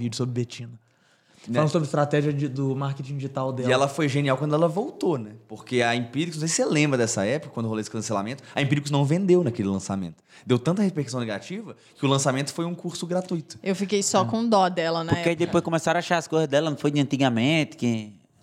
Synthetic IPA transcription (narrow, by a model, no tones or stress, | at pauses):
vid͡ʒʊsobɾɪbet͡ʃĩnɐ | flɐ̃d̪sobɾɪist̪ɾat̪ɛʒiɐd͡ʒɪd̪ʊmaɾket͡ʃĩd͡ʒɪʒit̪awd̪ɛɛlɐfojʒeniawkɐ̃nd̪ʊɛlɐvowt̪onɛpokeɐĩpiɾikʊsnw̃sejselẽmbɾɐd̪ɛsɐ̰ɛpʊkɐkwɐ̃nd̪ʊɦoloesɪ̥kɐ̃sela̰mẽnt̪ʊ̥ɐĩpiɾikʊznɐ̃w̃vẽnd̪ewnɐkelɪlɐ̃sa̰mḛ̃nt̪ʊ̥ | d̪ewt̪ɐ̃nt̪̬ɐhepehkusɐ̃w̃neɡat͡ʃivɐ | kɪʊlɐ̃samẽnt̪ʊ̥fojũkuɾsʊɡɾat̪ujt̪ʊ̥ewfikejsɔkõd̪ɔd̪ɛlɐnɛpkeaid̪epojskõmesaɾ̃aʃaɾɐskojzɐzd̪ɛlɐnɐ̃w̃fojd͡ʒ̪ɪɐ̃nt̪iɡɐmẽt̪ɪ̥kɪ